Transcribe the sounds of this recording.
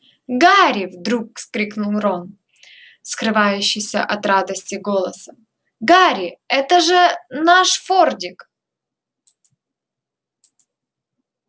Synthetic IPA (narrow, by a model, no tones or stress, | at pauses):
ɡaɾʲɪvd̪ɾuk̚skɾʲiknʊlˠron | skɾɨvajʉɕːɪjsʲə̰ʔɐt̪rad̪əsʲtʲɪɡo̞lˠəsəm | ɡaɾʲɪɛt̪əʐɨnaʂfordʲɪk